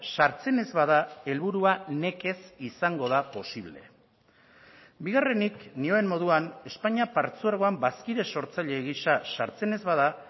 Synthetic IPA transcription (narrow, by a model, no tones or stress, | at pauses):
saɾt͡se̞ne̞zβaðae̞lβuɾuane̞ke̞sisaŋɡo̞ðapo̞siβle̞̰ | biɣ̞are̞niknioemmo̞ð̞uane̞spaɲapaɾt͡suaɾɣo̞ambaskiɾe̞so̞ɾt͡saʎe̞ɣisasaɾt͡se̞ne̞zβaða